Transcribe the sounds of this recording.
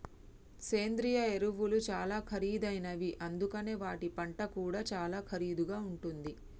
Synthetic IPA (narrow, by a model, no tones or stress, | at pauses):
se̞ːnd̪ɾijɐeɾuʋulut͡ʃaːlaːkʰɐɾiːd̪ɐjnɐʋiʔɐnd̪ukɐne̞ːʋaːʈipɐɳʈɐkuːɽaːt͡ʃaːlaːkʰɐɾiːd̪uɡaːuɳʈund̪i